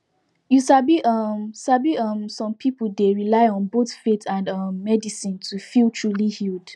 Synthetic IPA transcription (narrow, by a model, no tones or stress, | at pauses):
jusabiʔʌmsabiʌmsɔ̃mpʰipudeɹilaɪɔ̃nboθfetʰãndʌmːɛdisĩntʰufilˠtʰɹulihild̥